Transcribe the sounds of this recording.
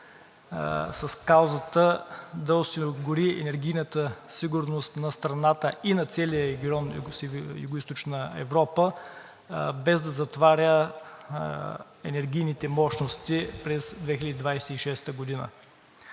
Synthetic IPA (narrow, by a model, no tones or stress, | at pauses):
sɐskawzət̪əd̪ɐosioɡʊɾiɛ̰nɛɾɡʲijnət̪əsiɡʊɾnost̪nɐst̪ɾɐnat̪əʔinɐt̪sɛlijəɾɛɡʲiɔnjsjṵɡʊist̪ot͡ʃnəɛ̰vɾɔpə | bɛzd̪ɐzɐt̪vaɾʲə | ɛnɛɾɡʲijnit̪ɛmɔʃnost̪ipɾɛzd̪vɛxilʲəd̪ʲid̪vajsɛiʃɛst̪əɡod̪inə̰